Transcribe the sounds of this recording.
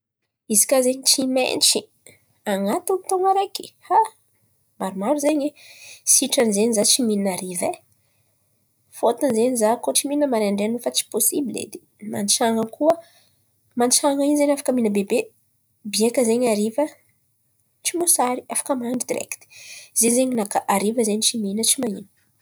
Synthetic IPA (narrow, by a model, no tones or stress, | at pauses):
izi̥kazeɲit͡ʃimḛnt͡ʃi | aŋat̪unt̪oŋaɾaki̥ha | maɾumaɾuzeɲwesiʈ͡ʂanzeɲizat͡ʃimininaɾive | fot̪anzeɲizakoʈ͡ʂimininəmaɾaɳɖ͡ʐenfat͡si̥posibilḛd̪e | ma̰nt͡ʃaŋəkuə | mant͡ʃaŋainzenafḁkəminəbebe | biekəzeɲaɾivə | t͡ʃimosaɾiafḁkəmaɳɖ͡ʐid̪iɾɛ̰kt̪i̥z̥ezeɲinakaʔaɾivəzeɲit͡ʃiminət͡ʃimaɲḭnə̥